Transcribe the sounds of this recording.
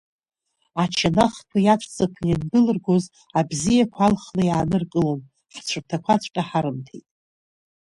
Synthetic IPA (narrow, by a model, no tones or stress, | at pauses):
at͡ʃʰanaχkʰʷajat͡ʃʷʰʼt͡sʼakʷʰjandɨlɨrɡoz | abzijakʷʰalχlajaːnɨrkʼɨlom | ħt͡ɕʷʰɨrtʰakʷʰat͡ɕʷʼkʼaħaɾɨmtʰejtʼ